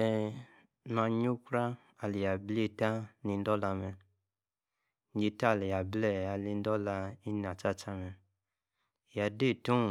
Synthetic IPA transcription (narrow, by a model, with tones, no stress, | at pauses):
ɛ˨ | n˨a˧ɲo˦kɾa˦ | a˨li˨ja˨ble˦˨ta˦ni˧n˦dɔ˦la˧mɛ˧ | n˦d͡ʒe˧ta˦˨li˨ja˨blɛ˦˨a˨li˧n˦dɔ˦la˧i˦n˨a˨t͡ʃa˦t͡ʃa˦mɛ˨ | ja˨de˦˨tu˦˨